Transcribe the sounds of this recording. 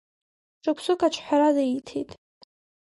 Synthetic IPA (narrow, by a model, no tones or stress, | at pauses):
ʈ͡ʂʰakʷʰsɨkʼat͡ʃʷʰħʷᶣaɾadaitʰejtʼ